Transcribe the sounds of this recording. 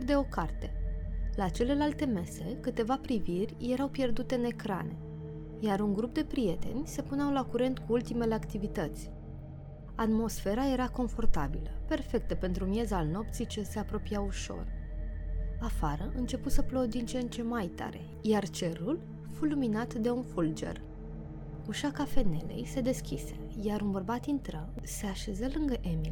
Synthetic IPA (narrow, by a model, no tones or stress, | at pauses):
d̪e̞o̞kart̪e̞lat͡ʃe̞le̞lalt̪e̞me̞sekɨt̪e̞vapɾivirʲje̞ɾawpje̞rd̪ut̪e̞ɨne̞kɾa̰ne̞̰ | jaɾuŋɡɾup̚d̪e̞pɾije̞t̪e̞nʲse̞puneawlakuɾe̞nt̪̚kuult̪ime̞leakt̪ivit̪ət̪sʲ | at̪mo̞sfe̞ɾae̞ɾako̞ɱfo̞rt̪a̰biləpe̞rfe̞k̚t̪əpe̞nt̪ɾumije̞zalno̞p̚t̪sit͡ʃe̞se̞apɾo̞piauʃo̞̰r | afaɾəʔɨnt͡ʃe̞put̪səplo̞d̪int͡ʃent͡ʃe̞majt̪a̰ɾe̞̰ | jart͡ʃe̞ɾul | fuluminat̪d̪e̞unfuld͡ʒe̞̰r | uʃakafe̞ne̞̰le̞̰jse̞d̪e̞skʲise̞̥jaɾunbərbat̪int̪ɾə | se̞aʃe̞zəlɨŋɡəʔe̞mil